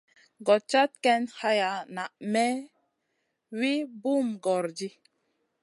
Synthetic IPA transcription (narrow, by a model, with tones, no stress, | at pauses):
ɡɔ˨t͡ʃa˦t̪̚kɛ˦nha˦ja˨na˨ʔmɛ˦ | wi˦bu˦mɡɔ˨ɾd͡ʒi˦